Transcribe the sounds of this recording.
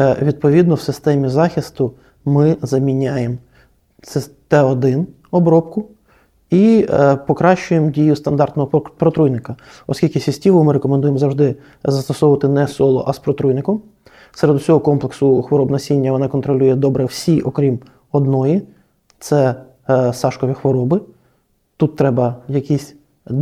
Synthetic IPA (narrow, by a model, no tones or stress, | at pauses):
ɛʋʲid̪̚pɔʋʲid̪nɔwsɪst̪ɛmʲizɑxʲist̪ʊ | mɪzɐmʲinʲajem | sɛt̪ɛɔd̪ɪn | ɔbɾɔpkʊ | ipɔkɾɑʃt͡ʃʊjemdʲijʊst̪ɐnd̪ɑrt̪nɔɦɔpɾɔt̪ɾujnɪkɐ | ɔ̰skʲilʲkɪsʲisʲtʲiʋʊmɪɾekɔmend̪ujemzɐwʐʒd̪ɪ | zɐst̪ɔsɔwʋɐt̪ɪnɛsɔlˠɔʔɐspɾɔt̪ɾujnɪkɔm | seɾed̪ʊsʲɔɦɔkɔmplˠeksʊxʋɔɾɔbnɐsʲinʲːɐʋɔnɑkɔnt̪ɾɔlʲujɛd̪ɔbɾɛwsʲiʔɔkɾʲim | ɔd̪nɔji | t̪sɛ | sɑʃkɔʋʲixʋɔɾɔbɪ | t̪ut̪ːɾɛbɐjɐkʲisʲ